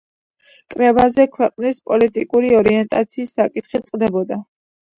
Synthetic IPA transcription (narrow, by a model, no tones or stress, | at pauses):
kʼɾɛbazɛkʰwɛqʼnispʼɔlit̪ʼikʼuɾiɔɾiɛnt̪ʼat̪sʰiːsːakʼit̪χit̪sʼqʼd̪ɛbɔd̪a